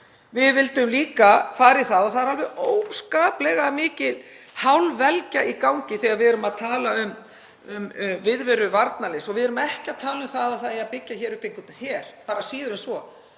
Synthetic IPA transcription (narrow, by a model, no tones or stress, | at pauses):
vɪðvɪlt̪ʏmliːkafaːɾɪθaðaθaðɾalvɛoːwskaːplɛɣamɪːcɪð | hawlvɛlcaʔikawŋcɪθɛɣaɾvɪðœɾʏmaðt̪ʰaːlaʏm | ʏmʏvɪðvɛɾʏvaɾt̪nalɪsɔɣvɪðɛɾʏmaɛhcɪaðt̪ʰaːlɪʏmθaðaθaiapɪcːaçɛːɾʏhpeŋkʏt̪nçɛɾ̥paːɾasiːðʏɾʏmsvɔ